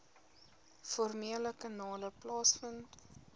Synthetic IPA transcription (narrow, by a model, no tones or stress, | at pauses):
fɔrmeələkɐnɑːləplɑːsfənt